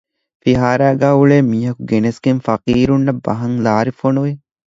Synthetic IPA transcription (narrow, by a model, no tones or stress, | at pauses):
fiɦaːɾæːɡæːuɭeːmiːɦɐkuɡenesɡenfɐqiːɾunːɐbːɐɦɐŋlaːɾifonuʋe